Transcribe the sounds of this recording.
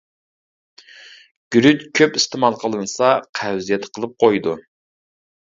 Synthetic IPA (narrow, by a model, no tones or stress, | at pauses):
ɡ̥ʲyɾyt̪kʲʰøpist̪ɪmɑlˠqʰəlˠɨnɨsɑqʰæwzijɛt̪qʰəlˠɨp̚qʰojd̪u